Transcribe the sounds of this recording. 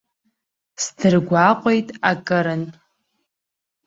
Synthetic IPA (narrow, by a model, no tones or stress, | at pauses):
sdʰɨrɡʷaqʷʼejtʼakʼɨɾɨn